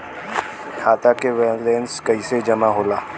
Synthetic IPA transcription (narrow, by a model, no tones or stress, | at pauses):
kʰaːt̪akeʋeleːnskɐised͡ʒɐmaɦoːlaː